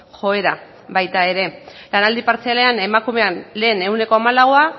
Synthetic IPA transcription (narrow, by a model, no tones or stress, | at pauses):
xo̞e̞ɾa | βajt̪ae̞ɾe̞lanald̪ipaɾt͡seale̞ane̞makume̞anle̞ːne̞wne̞ko̞amalaɣoa